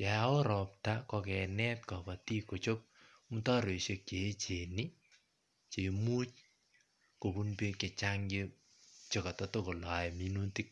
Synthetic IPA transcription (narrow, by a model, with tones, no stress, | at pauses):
ja˨o˦ɾɔ˨p̚ta˦kɔ˧kɛ˨nɛ˦t̚kɔ˨ba˨ti˦ko˨t͡ʃo˦p̚ | mu˦ta˦ɾe˨ʃe˨k̚t͡ʃe˨˦t͡ʃe˨ni˦ | t͡ʃe˨mu˦t͡ʃ | ko˨bu˦npe˦ke˨t͡ʃa˦ŋɡe˦ | t͡ʃe˨ka˨tɔ˦to˦ko˨la˨ɛ˨mi˦nu˦ti˦k̚